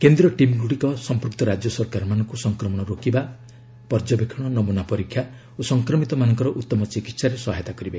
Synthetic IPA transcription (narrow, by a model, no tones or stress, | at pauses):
kend̪ɾɔʈimɡuɽikɔsɔmpɔɾkt̪ɔɾad͡ʒjɔsɔɾkaɾmanɔŋkusɔŋkɾɔmɔɽ̃ɔɾokiba | pɔɾd͡ʒɔbekʰɔɽ̃ɔnɔmunapɔɾikʰːja | osɔŋkɾɔmit̪ɔmanɔŋkɔɾɔʔut̪ːɔmɔt͡ʃikit̪saɾesɔɦajt̪akɔɾibe